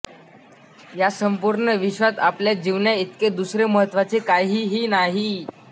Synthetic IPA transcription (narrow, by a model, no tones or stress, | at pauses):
jasəmpuɾɳəʋiɕʋat̪apljad͡ʑiʋnjait̪ked̪usɾeməɦət̪ːʋat͡sekaɦiːɦiːnaɦiː